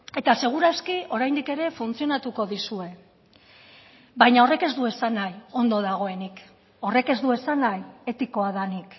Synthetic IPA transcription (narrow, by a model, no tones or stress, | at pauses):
e̞t̪ase̞ɣ̞uɾaskio̞ɾajnd̪ike̞ɾe̞funt͡sio̞nat̪uko̞ðisue̞ | bajɲao̞re̞ke̞zd̪ue̞sanajo̞nd̪o̞ðaɣ̞o̞e̞nik | o̞re̞ke̞zd̪ue̞sanaje̞t̪iko̞aðanik